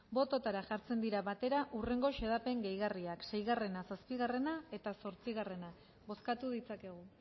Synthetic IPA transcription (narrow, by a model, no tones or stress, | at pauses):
bo̞t̪o̞t̪aɾaʝaɾt͡se̞nd̪iɾaβat̪e̞ɾaʔure̞ŋɡo̞ʃeð̞ape̞ŋɡejɣariaksejɣare̞nasaspiɣare̞nae̞t̪aso̞ɾt͡siɣ̞are̞na | βo̞skat̪uðit͡sake̞ɣ̞u